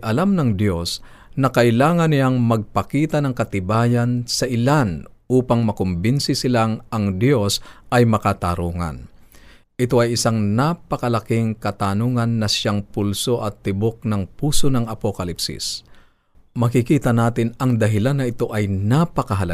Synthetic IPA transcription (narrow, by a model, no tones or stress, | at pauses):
ʔɐlamnɐŋd̪jo̞s | nɐkɐʔɪlaːŋɐnɪaŋmɐɡ̚pɐkiːt̪ɐnɐŋkɐt̪ɪbaːjɐnsɐʔɪlanʔuːpɐŋmɐkʊmbɪnsɪsɪlaŋʔɐŋd̪jo̞sɐjmɐkat̪aɾuːŋɐ̰n | ʔɪt̪o̞ɐjɪsaŋnapɐkɐlɐkɪŋkɐt̪anoːŋɐnːɐʃaŋpulso̞ʔɐt̪ːɪbok̚nɐŋpuːsonɐŋɐpokɐlipsɪ̰s | mɐkɪkiːt̪ɐnaːt̪ɪnɐŋd̪ɐɦɪlanːɐʔɪt̪o̞ʔɐjnapɐkɐɦɐlɐ